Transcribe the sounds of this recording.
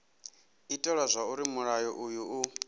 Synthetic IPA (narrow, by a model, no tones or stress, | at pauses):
itʼɔɺɔzʷauɾimuɺajɔʔujuu